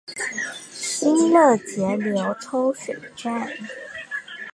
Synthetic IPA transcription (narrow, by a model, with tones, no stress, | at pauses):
i˥nlə˥˩t͡ɕjɛ˨˥˦ljo˧˥ʊt̪ʰo˥ʊʂe˨˩ɪʈ͡ʂa˥˨n